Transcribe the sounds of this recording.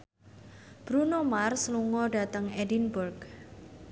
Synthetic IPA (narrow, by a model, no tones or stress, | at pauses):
b̥ɾunomarsluŋɔɖa̤t̪əŋɛdinburɡ